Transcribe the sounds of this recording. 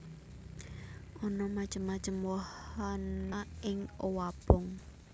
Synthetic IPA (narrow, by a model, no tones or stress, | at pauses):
ʔɔnɔmḁʒ̥əmːḁʒ̥əmwɔhanaɪŋowab̥ʊŋ